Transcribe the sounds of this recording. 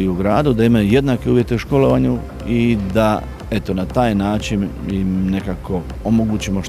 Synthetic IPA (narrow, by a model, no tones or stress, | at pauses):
uuɡɾaːd̪ud̪aimajuje̞d̪nake̞uːjet̪e̞uʃko̞lo̞ʋaɲu | id̪a | e̞t̪o̞nat̪aːjnaːt͡ʃinimne̞kako̞ | omoɡuːt͡ɕimoʃ